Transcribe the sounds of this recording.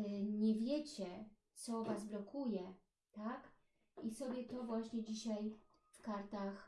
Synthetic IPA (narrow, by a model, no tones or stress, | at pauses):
ɲɛvʲjɛt͡ɕɛt̪sɔvazblɔkʰujɛ | t̪ak | isɔbʲjɛt̪ɔvwaɕɲɛd͡ʑiɕaj | fkaɾt̪ax